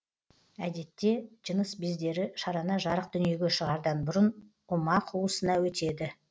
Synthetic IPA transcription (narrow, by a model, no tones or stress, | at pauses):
æd̪e̞t̪ːe̞ʒ̥ənəsbezd̪e̞ɾɪʃɑɾɑnɑʒɑɾəq̚d̪̥ʏnije̞ɡʲe̞ʃəʁɑɾd̪ɑnbʊɾən | ʊmɑqʰuwəsənɑwɵt̪e̞d̪ɪ